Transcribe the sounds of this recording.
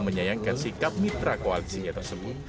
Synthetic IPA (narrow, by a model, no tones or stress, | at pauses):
məɲajaŋkansikap̚mit̪ɾakoalisiɲat̪ərsəbʊt̪̚